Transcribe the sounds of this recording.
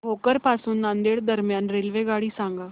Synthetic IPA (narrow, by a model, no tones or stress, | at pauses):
ɦokəɾpasuːnːãnd̪eɭd̪əɾmjanɾelʋeɡaɽiːsãŋɡa